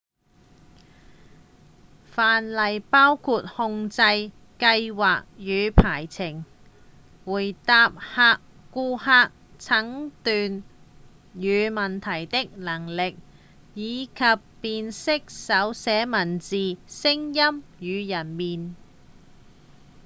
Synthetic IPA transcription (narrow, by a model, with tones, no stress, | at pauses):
faː˨nlɐ˨jpaː˥wkʰuː˧t̚hʊ˧ŋt͡sɐ˧j | kɐ˧jwaː˨k̚jyː˨˧pʰaː˨˩jt͡sʰɪ˨˩ŋ | wuː˨˩jt̪aː˧p̚haː˧kː | uː˧haː˧k̚ | t͡sʰɐ˨˥ŋt̪yː˨n | jyː˨˧mɐ˨nt̪ʰɐ˨˩jt̪ɪ˥k̚lɐ˨˩ŋlɪ˨k̚ | jiː˨˧kʰɐ˨pːiː˧nsɪ˥k̚sɐ˨˥wsɛː˨˥mɐ˨˩nt͡siː˨sɪ˥ŋjɐ˥mjyː˨˧jɐ˨˩nmiː˨n